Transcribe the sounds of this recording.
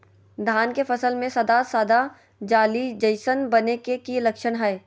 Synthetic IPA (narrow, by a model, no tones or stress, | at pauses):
d̪ʱaːnkefɐsəlmẽsɐd̪asəd̪a | d͡ʒaːlid͡ʒəɪsənbɐnekekilɐkʃəɽɦɛː